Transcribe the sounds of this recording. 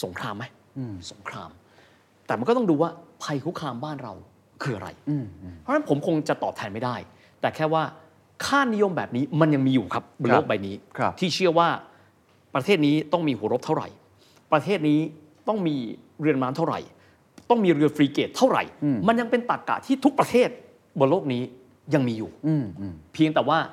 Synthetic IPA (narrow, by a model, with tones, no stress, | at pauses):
so˩˦ŋkʰɾaː˧mːa˦˥j | so˨˩˦ŋkʰɾa̰ː˧m | t̪ɛː˨˩m˧nkɔː˥˩t̪ɔ˥˩duː˧waː˥˩pʰa˧jkʰu˦˥kʰaː˧mbaː˥˩nɾa̰˧w | kʰɯː˧ʔa˧ɾa̰˧jpʰɔ˦˥na˦˥npʰo˩˦mkʰo˧ŋt͡ɕa˨˩t̪ɔː˨˩p̚t̪ʰɛː˧nma˥˩jdaː˥˩j | t̪ɛː˨˩kʰɛː˥˩waː˥˩ | kʰaː˥˩nːi˦˥jo˧mbɛ̰ː˨˩p̚niː˦˥ma˧nja˧ŋmiː˧juː˨˩kʰa˦˥p̚bloː˥˩k̚ba˧jniː˦˥˧t̪ʰiː˥˩t͡ɕʰɯ˥˩əwaː˥˩ | pɾa˧t̪ʰeː˥˩t̪̚niː˦˥t̪ɔ˥˩ŋmiː˧hu˩˦ɾo˦˥p̚t̪ʰa˥˩ɾa̰˨˩j | pɾa˧t̪ʰeː˥˩t̪̚niː˦˥ | t̪ɔ˥˩ŋmiː˧ | ɾɯ˧ənmaː˦˥nt̪ʰa˥˩wɾa̰˨˩j | t̪ɔ˥˩ŋmiː˧ɾɯ˧əfɾiː˧keː˨˩t̪ʰːa˥˩wɾa̰˨˩jma˧nja˧ŋpe˧nt̪a˨˩k̚ka̰˨˩t̪ʰiː˥˩t̪ʰu˦˥k̚pɾa˧t̪ʰeː˥˩t̪̚ | bloː˥˩k̚niː˦˥ | ja˧ŋmiː˧juː˨˩ | pʰi˧əŋt̪ɛː˨˩waː˥˩